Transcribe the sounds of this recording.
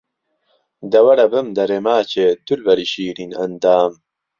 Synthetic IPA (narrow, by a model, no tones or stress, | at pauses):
d̪ɐwɐɾɐbɨmd̪ɐɾemaːt͡ɕʰeːd̪ulbɐɾiɕiːɾinɐnd̪aːm